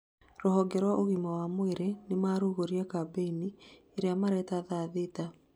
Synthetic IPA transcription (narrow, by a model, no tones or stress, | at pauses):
ɾoɦɔɡɛɾwaʔoɣimawamoeɾenemaːɾuɣoɾiakabeini | eɾeamaɾɛtaðaðeta